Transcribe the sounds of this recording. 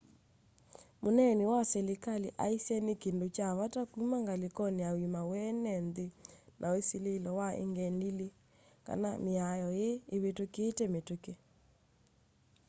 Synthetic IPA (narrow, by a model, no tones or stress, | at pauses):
monɛnewasɛlekaleʔaisiɛnekendot͡ʃaβatakumaŋɡalekɔneawimawɛnɛndenʔaweselelɔwaḛŋɡɛndile | ka̰nameajɔjeːβetokeːtɛmetoke